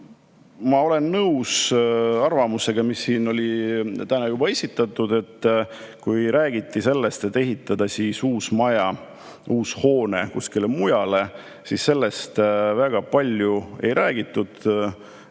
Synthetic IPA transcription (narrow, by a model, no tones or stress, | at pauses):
mɑo̞le̞nːɤwsɑrvɑmuse̞ɡ̥ɑmisːiːno̞lʲit̪ænɑjubɑe̞sʲit̪ˑːɑt̪ːˑud̪̥e̞t̪ːˑkujɾæːɡ̥it̪ˑːise̞lːest̪et̪ːe̞ɦit̪ːˑɑd̪̥ɑsisuːsmɑjɑ | ʔuːsho̞ːnekuskilemujɑle̞ | sisːe̞lːe̞st̪væɡ̥ɑpɑlʲjue̞̰jɾʔæːɡ̥it̪ːˑud̪̥